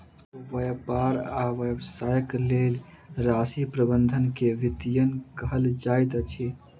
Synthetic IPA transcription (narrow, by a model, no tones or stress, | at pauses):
ʋəjpaɾaʋəbsajəklel | ɾasipɾəbənd̪ʱənkeʋit̪ijənkəɦəld͡ʒajt̪t͡ʃʰi